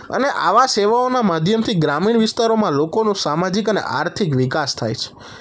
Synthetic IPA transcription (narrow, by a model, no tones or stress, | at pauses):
ə̰neʔa̰ʋaseʋaonamad̪ʱjəmt̪ʰiɡɾamiɳʋist̪aɾomãlokonũsamad͡ʒikənḛʔa̰ɾt̪ʰikʋikast̪ʰa̰jt͡ʃʰe̥